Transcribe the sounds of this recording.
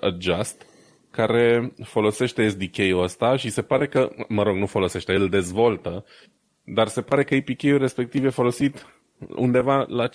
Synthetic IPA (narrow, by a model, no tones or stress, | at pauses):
əd͡ʒast̪ | kaɾe̞fo̞lo̞se̞ʃt̪eːs̬d̪ikʲe̞juəst̪aʃise̞paɾe̞kəməɾo̞ɡnufo̞lo̞se̞ʃt̪eɨld̪e̞zvo̞lt̪ə | d̪arse̞paɾe̞kəipikʲejulre̞spe̞k̚t̪ivjefo̞lo̞sit̪ | ṵnd̪e̞vala